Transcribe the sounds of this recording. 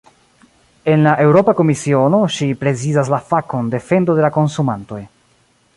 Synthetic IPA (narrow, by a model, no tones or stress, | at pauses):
e̞nlaʔe̞wɾo̞pako̞misio̞no̞ʃipɾe̞zizas̬lafako̞nde̞fe̞ndo̞de̞lako̞nsumanto̞j